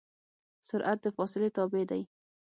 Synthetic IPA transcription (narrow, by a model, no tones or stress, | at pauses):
sʊɾʔat̪̚d̪əfɑsɪlet̪ɑbed̪aj